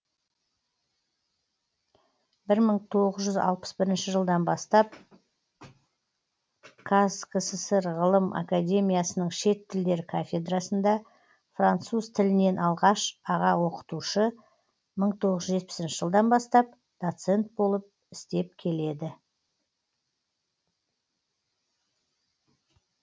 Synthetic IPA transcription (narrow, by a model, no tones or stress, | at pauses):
bɪɾməɴt̪ʰo̞ʁəzʒʏzɑ̰lˠpə̥sbɪɾɪnʃɪʒəlˠd̪ɑnbɑst̪ɑp̚ | kʰaskəsəsəɾʁəlˠəmʔa̰kad̪ʲe̞mʲijasənəɴʃe̞t̪ʰːɪld̪e̞ɾkʰafʲe̞d̪rasənd̪ɑ | frant̪suz̥t̪ʰɪlɪne̞nʔɑlˠʁɑʃɑʁɑwo̞qə̥t̪uʃə | məɴt̪ʰo̞ʁəzʒʒe̞t̪̚pɪ̥sɪnʃɪ̥ʒəlˠd̪ɑnbɑst̪ɑp̚ | d̪̥ot̪se̞nt̪̚bo̞lˠəp̚ | ɪst̪e̞p̚kʲʰe̞le̞d̪ɪ